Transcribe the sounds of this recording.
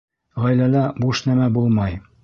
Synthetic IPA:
ʁɒjlælæbuʃnæmæbulˠmɑj

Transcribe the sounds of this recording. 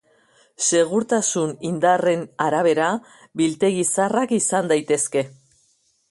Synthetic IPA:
se̞ɣ̞uɾt̪asunind̪are̞naɾaβ̞e̞ɾa | bilt̪e̞ɣisarakisand̪ajt̪e̞ske̞

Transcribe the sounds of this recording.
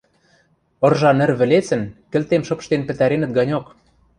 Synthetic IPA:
ɤ̆rʒɑnɘ̆rβɘ̆let͡sə̆nkɘ̆lt̪emʃɤ̆pʃt̪enpɘ̆t̪æɾenə̆t̪̚ɡɑnʲok

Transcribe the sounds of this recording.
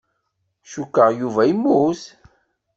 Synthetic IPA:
ʃukːəʁjuvæimːus

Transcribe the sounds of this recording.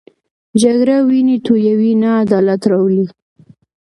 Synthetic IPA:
d͡ʒaɡɾawinit̪ʰojawinaːd̪ɑlat̪ɾɑwli

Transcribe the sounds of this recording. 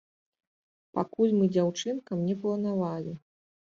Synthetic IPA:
pakulʲmɨd͡zʲawt͡ʂɨnkɐmnʲɛplˠɐnavalʲi

